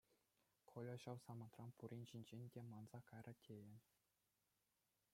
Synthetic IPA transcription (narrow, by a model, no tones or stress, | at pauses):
kʰolʲŏɕɑwsɑmɑnt̪rɑnpuɾʲinʲʑinʲd͡ʑenʲdʲemɑnz̥ɑkɑjrɑtʲʰejɘ̆nʲ